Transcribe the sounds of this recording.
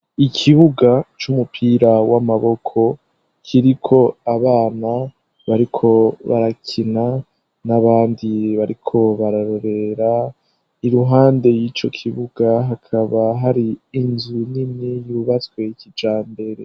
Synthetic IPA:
ikʰiβuɡat͡ʃumupʰiːɾawamaβo̞kʰo̞ | kʰiɾikʰo̞aβaːna | βaɾikʰo̞βa̰ɾakʰina | naβaːndiβaɾikʰo̞βaɾaɾo̞ɾe̞ɾa | iɾuɦaːnde̞jiːt͡ʃo̞̰kʰiβuɡaɦakʰaβaɦaɾiːnzunimijuβat͡swe̞kid͡ʒaːmbe̞ɾe̞

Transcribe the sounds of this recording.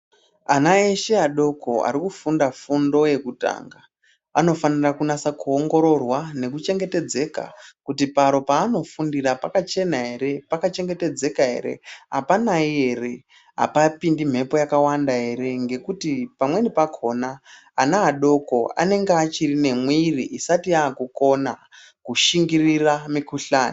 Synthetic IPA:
anaeʃeaɗo̞kʰo̞̰a̰ɾikufundafundo̞je̞kuta̰ːŋɡa | ano̞fanirakunasakuoŋɡo̞ɾo̞rwane̞kut͡ʃe̞ŋɡe̞te̞d͡ze̞ka̰kutipaɾo̞paːno̞fundirapakat͡ʃe̞naɦe̞ɾe̞pakat͡ʃe̞ŋɡete̞d͡ze̞kaɦe̞̰ɾe̞̰ɦapanaiɦe̞re | ɦa̰papindim̤e̞po̞jakawandaɦe̞ɾe̞ŋɡe̞kutipamwe̞nipakʰo̞naː | naaɗo̞ko̞a̰ne̞ŋɡeat͡ʃirine̞mwiriʔisatiakuko̞na | kuʃiŋɡiriramikuɬaːni

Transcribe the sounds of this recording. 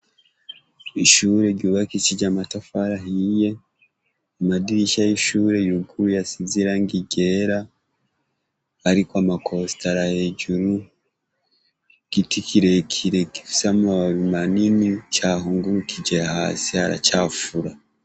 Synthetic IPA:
iʃuːɾe̞ɟuβakit͡ʃid͡ʒamatafaɾaɦije̞ | amadiɾiʃajiʃuːɾe̞juɡujasiziɾaŋɡiɟe̞ɾa | ɾikwamakʰo̞staɾahe̞ɟuɾu | ɡ̥itikʰiɾe̞kʰiɾe̞ɡifi̥samuaβimaninit͡ʃaɦuːŋɡuɾukʰid͡ʒeha̰ːsia̰ɾa̰t͡ʃaːfuɾa

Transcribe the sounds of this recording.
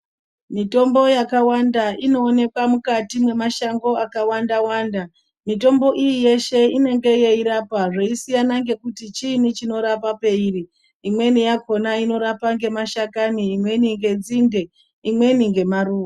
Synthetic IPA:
mito̞mbo̞jakawandaʔino̞ːne̞kwamukatimwe̞maʃaŋɡo̞akawandawaːnda | mito̞mbo̞ʔijije̞ʃe̞ine̞ŋɡe̞je̞iɾapaʐeisijanaŋɡe̞kutit͡ʃinit͡ʃino̞ɾapape̞iri | imwe̞nijako̞naino̞ɾapaŋɡe̞maʃakaniːmwe̞niŋɡe̞d͡zinde̞ | imwe̞niŋɡe̞maɾuːo

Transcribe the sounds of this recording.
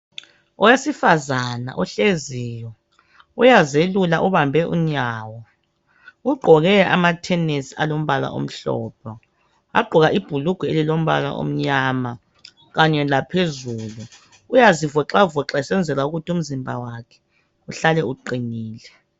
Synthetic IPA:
ɔwesifazana̰ʔɔɬezijɔ | ujazelulaʔuβambʱɛʔṵɲaːwɔ | uɡ͡ǃʱɔɣɛʔa̰matʰɛnesia̰lom̩βala̰ʔo̰m̩ɬɔ̰ːpʰɔ | a̰ɡ͡ǃʱuɣaʔib̥ʱuluɡ̥ʱuelilom̩βa̰la̰ʔo̰m̩ɲaːma | ɣaɲɛlapʰezuːlu | ujazivɔǁauvɔǁasɛnd͡zʱɛlauɣutium̩zimbʱa̰wakʰɛ̥ | uɬalɛuǃiniːlɛ

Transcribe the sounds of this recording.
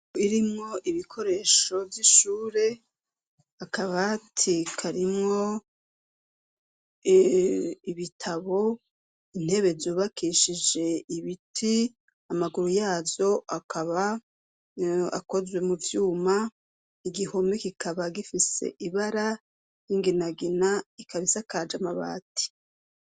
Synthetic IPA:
iɾimŋo̞ʔiβikʰo̞ɾe̞ːʃo̞vjiʃuːɾe̞ | akaβatʰikʰaɾimŋo̞ | iβitʰaβo̞ | in̥he̞βe̞zuːβakʰiʃid͡ʒe̞iβitʰi | amaɡuɾujaːzo̞ʔakʰaβa | a̰ko̞zwe̞muvjuːma | iɡiho̞mikikaβaɡifise̞̰ʔiβaɾa | jiŋɡinaɡinaikaβisakaːd͡ʒamaβa̰ːti̥

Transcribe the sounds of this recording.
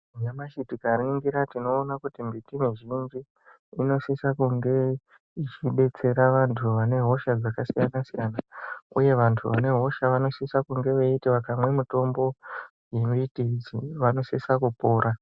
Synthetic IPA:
ɲamaʃitikariiŋɡiɾatino̞ːnakutimbitimiʒind͡ʒi | ino̞sisakuŋɡe̞ | it͡ʃiɓe̞t͡se̞ɾaʋantʰuʋane̞ɦo̞ʃad͡zakasijanasijanaṵje̞ʋantʰuʋane̞ɦo̞ʃaʋano̞sisakuŋɡe̞ʋeitiʋakamwe̞muto̞mbo̞ | je̞mitid͡zḭʋano̞sisakupoːɾa

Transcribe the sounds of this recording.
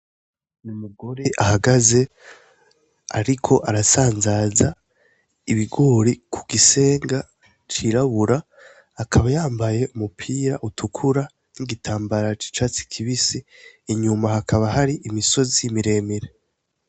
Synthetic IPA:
numuɡo̞ɾeʔahaɡaze̞ | aɾikʰo̞ʔaɾasaːnzaza | iβiɡoɾikʰuɡise̞ːŋɡa | t͡ʃiɾaβuɾaː | kʰaβajaːmbaje̞umupʰiːɾa̰ʔutʰukʰuɾa | niɡitʰaːmbaɾat͡ʃi̥t͡ʃaːt͡si̥kʰiβisiːɲumahakʰaβahaɾiʔimiso̞zimiɾe̞ːmiɾe

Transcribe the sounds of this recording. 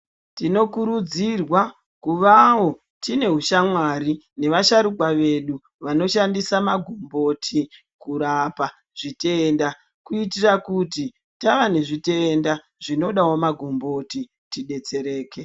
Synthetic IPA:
tino̞kuɾud͡zirwa | kuʋawo̞ | tine̞ɦuʃamwaɾi | ne̞ʋaʃaɾukwaʋe̞ɗu | ʋano̞ʃandisamaɡʱombo̞tʰi | kuɾapa | ʐ̥ite̞ːnda | kuitirakuti | taʋane̞ʐite̞nda | ʐ̥ino̞ɗawomaɡʱombo̞ti | tiɗe̞t͡se̞ɾe̞ːke̞

